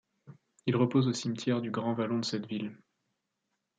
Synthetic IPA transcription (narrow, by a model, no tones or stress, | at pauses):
ilʁəpozosimt̪ʰjɛʁd̪yɡʁɑ̃valɔ̃d̪əsɛt̪vil